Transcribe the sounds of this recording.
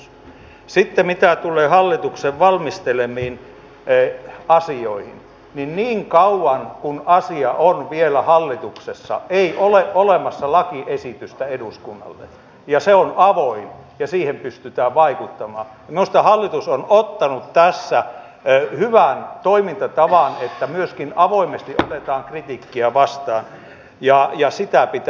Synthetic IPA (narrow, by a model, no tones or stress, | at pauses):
sit̪ːemit̪æt̪ulˑeːhɑlːit̪ukseʋʋɑlmist̪elemiːn | ɑsioihḭn | ninniːŋkɑuwɑnkunɑsiɑʔonʋielæhɑlːit̪uksesːɑ̰eiʔoleʔolemɑsːɑlɑkiʔesit̪yst̪æeduskunːɑ̰lːḛ | jɑseonɑʋoimjɑsiːhempyst̪yt̪æːʋʋɑikut̪ːɑmɑː | most̪ɑhɑlːit̪usonot̪ːɑnut̪t̪æsːæ | hyʋænt̪oimint̪ɑt̪ɑʋɑnet̪ːæmyøskinɑʋoimest̪iʔot̪et̪ɑːŋkrit̪ikːiæʋɑst̪ɑːn | jɑjɑsit̪æpit̪